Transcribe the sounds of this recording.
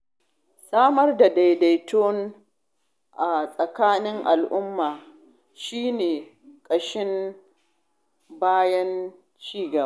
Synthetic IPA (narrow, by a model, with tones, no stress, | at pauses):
saː˦mɐ˦rda˨da˨jda˨jtoː˦n | ʔa˨sʼɐ˨kaː˦nɪ˦ŋʔa˨lʔʊ˦mːaː˨ | ʃiː˦neː˨ | kʼɐ˨ʃɪ˦m | baː˦jɐ˦n | t͡ʃiː˦ɡɐ˨ba˦